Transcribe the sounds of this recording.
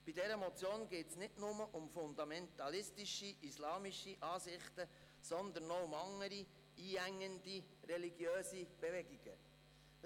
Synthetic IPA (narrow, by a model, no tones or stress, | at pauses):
b̥idɛɾəmɔt͡sjoːnɡeːtsnɪdnʊməʔʊmfʊnd̪ɑmɛnt̪ɑlɪstiʃiʔislɑːmiʃiʔɑːsɪχt̪ə | sɔnd̪ənɔʊmɑŋːəɾi | iːæŋːəndi | rɛliɡjøːsib̥evɛɡiɡ̥ə̰